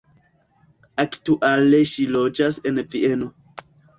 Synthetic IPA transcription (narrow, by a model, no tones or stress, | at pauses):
aktuʔaleʃilo̞d͡ʒase̞nvie̞no̞